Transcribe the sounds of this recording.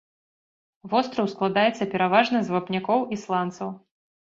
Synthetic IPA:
vɔst̪ɾɐwsklˠad̪ajɛt̪sːɐpʲɛɾavaʐnɐzvapnʲakɔwislˠant̪sɐw

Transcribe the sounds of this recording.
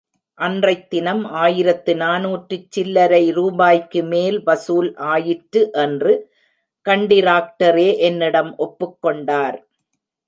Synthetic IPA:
ʔɐndrɐɪt̪ːɪnɐmaːjɪɾɐt̪ːɯnaːnuːʈrɯt͡ʃːɪlːɐɾɐɪɾuːbaːjkːɯmeːlʋɐsuːlʔaːjɪʈɾɯʔɛndrɯ | kɐɳɖɪɾaːk̚ʈɐɾeːʔɛnːɪɽɐmʔɔpːɯkːɔɳɖaːɾ

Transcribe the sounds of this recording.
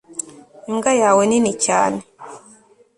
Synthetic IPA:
iŋɡajaweninica̰ːne

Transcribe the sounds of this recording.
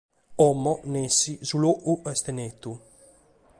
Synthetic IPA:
ɔmɔnesizuloʔuʔɛst̪enet̪u

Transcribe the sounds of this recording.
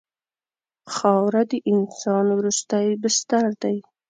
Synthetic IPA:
xɑwɾad̪əʔɪnsɑnwɾust̪ajbɪst̪aɾd̪aj

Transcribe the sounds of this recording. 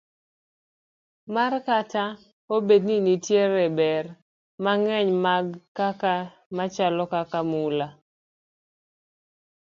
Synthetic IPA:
markata | obed̚ninitjeɾɛbɛr | maŋɛɲmaɡkaka | mat͡ʃalɔkakamula

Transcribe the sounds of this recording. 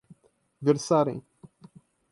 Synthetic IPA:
vʲɛɾsaɾḭ

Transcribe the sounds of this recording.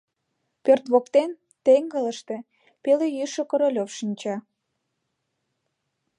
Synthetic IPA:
pørt̪βokt̪en | t̪eŋɡələʃt̪e | pelejyʃŏkə̆ɾolʲofʃinʲt͡ɕɑ

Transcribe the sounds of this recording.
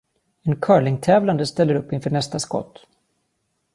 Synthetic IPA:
ɛnkʰœːɭɪŋt̪ʰɛːvland̪əst̪ɛlːəɾɵpːɪnfœːɳɛst̪askɔ̰t̪ː

